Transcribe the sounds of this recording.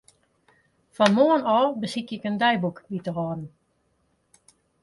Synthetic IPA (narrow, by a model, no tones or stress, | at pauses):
fɔnmoənɔːbəsikɪkəndɛjbukʋitərɔːdn̩